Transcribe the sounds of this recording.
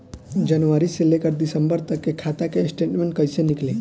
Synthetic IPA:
d͡ʒənʋaɾiselekəɾd̪isəmbəɾt̪əkːekʰat̪akẽsʈeʈmẽɳʈkəjsenikle

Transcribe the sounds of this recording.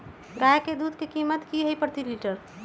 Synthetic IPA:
ɡaːjked̪uːd̪kekimət̪kiɦəipɾt̪iliʈəɾ

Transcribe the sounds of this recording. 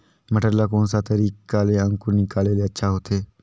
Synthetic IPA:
məʈəɾlakoːnsat̪əɾiːkaleə̃ŋkʊɾnɪkaːleleətːʃʰaɦoːt̪ʰeː

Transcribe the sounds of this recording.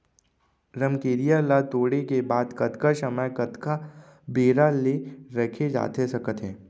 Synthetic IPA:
ɾəmkeːɾijalat̪oːɽekebaːd̪kɐt̪kaʃəməjkɐt̪ka | beːɾaleɾɐkʰed͡ʒa̰ːt̪esɐkət̪ɦɛ̃ː

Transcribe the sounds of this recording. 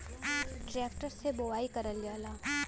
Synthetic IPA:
ʈɾeːkʈəɾsebowaːikəɾəljalaː

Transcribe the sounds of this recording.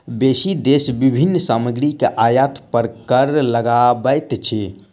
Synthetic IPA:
besid̪esbibʱinːsaməɡɾikeʔajat̪pəɾkəɾləɡabəjt̪t͡ʃʰi

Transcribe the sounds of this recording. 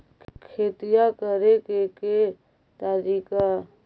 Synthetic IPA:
kʰeːt̪ɪjakəɾekeke | t̪aɾiːka

